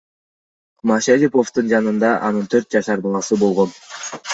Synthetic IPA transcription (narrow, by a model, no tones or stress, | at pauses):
mɑʃalipo̞ft̪uɯnd͡ʒɑnɯnd̪ɑʔɑnɯnt̪ʰøɾt̪̚d͡ʒɑʃɑɾbɑlˠɑsɯbo̞lˠʁo̞n